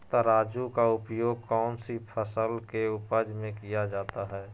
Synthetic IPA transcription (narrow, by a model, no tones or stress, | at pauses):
t̪aɾaːd͡ʒukaʊpjoːɡ̚kɔːnsipʰəsəlkeʊpəd͡ʒmẽkijad͡ʒaːt̪aɦɛː